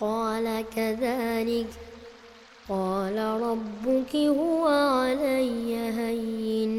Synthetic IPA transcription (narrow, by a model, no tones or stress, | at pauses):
qɑːlakaðaːlɪk | qɑːlaɾˤɑbːʊkɪhʊwaʕalajːaɦajːɪn